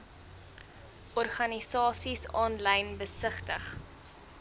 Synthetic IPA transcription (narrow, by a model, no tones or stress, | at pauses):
ʔɔrχɐnisɑːsisɑːnlɛjnbəsəχtəχ